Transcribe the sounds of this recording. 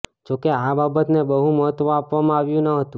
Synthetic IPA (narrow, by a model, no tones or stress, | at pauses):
d͡ʒokeababət̪nebəɦũməɦət̪ʋãapʋamãaʋjũnəɦət̪ũ